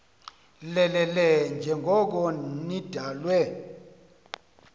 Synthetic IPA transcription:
lɛlɛlɛnd͡ʒʱɛŋɡʱɔk̬ɔnid̥ʱaːlwɛ

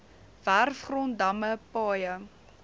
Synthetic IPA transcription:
værfχrɔndɐməpɑːjə

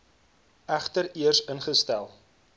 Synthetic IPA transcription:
æχtəɾiərsənχəstælˠ

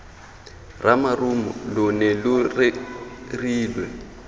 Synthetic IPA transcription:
ramarumʊ̰lʊnɛlʊrɪriːlwɛ

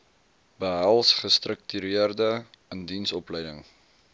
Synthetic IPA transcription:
bəɦælˠsχəstrək̚tyɾiərdəəndinsɔplɛjdəŋ

